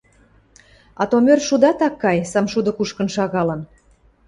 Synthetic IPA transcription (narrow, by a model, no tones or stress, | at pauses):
ɑ̰t̪omørʃud̪ɑt̪ɑkːɑjsɑmʃud̪ə̆kuʃkə̆nʃɑɣɑlə̆n